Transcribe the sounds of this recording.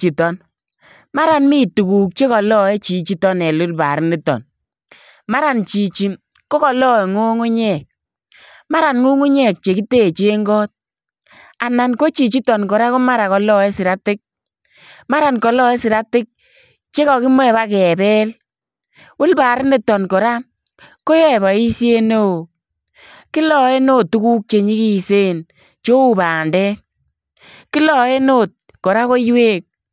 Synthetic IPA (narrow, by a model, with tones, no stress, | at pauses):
t͡ʃi˨tɔ˨n | ma˦ɾa˨nmi˦˨tu˨ku˨k̚t͡ʃe˦kɔ˨lɔ˦ɛ˦t͡ʃi˨t͡ʃi˦tɔ˦nɛ˨lʊ˦lba̰˨ɾɪ˦nɪ˦tɔ̰˨n | ma˦ɾa˨nt͡ʃi˨t͡ʃi˨m | ko˦kɔ˨lɔ˦˨ŋu˦ŋʊ˦ɲɛ˦˨k̚ | ma˦ɾa˨nŋu˦ŋʊ˦ɲɛ˦˨k̚t͡ʃe˨ki˦te˦˨t͡ʃe˦ŋɡɔ˦t̚ | a˨na˨nko˦t͡ʃi˨t͡ʃi˦tɔ˨nkɔ˨ɾa˦kʊ˦ma˦ɾa˨kɔ˨lɔ˦ɛ˦sɪ˨ɾa˦tɪ˦k̚ | ma˦ɾa˨nkɔ˨lɔ˦ɛ˦sɪ˨ɾa˦tɪ˦k̚ | t͡ʃe˦kɔ˨kɪ˦mɔ˦ɛ˨ba˦kɛ˨bɛ˦l | wʊ˦lbaː˨ɾɪ˦nɪ˨tɔ˨nkɔ˨ɾa˦ | ko˦jɔ˦ɛ˨βa˨i˦sje˦no˦o˨ | kɪ˦lɔ˨e˦no˦tːu˦ku˦k̚t͡ʃe˨ɲi˦ki˦˨se˦n | t͡ʃo˦u˨baː˨ndɛ˦ | kɪ˦lɔ˨e˦no˦˨t̚ | kɔ˨ɾa˦ko˦jweː˦k̚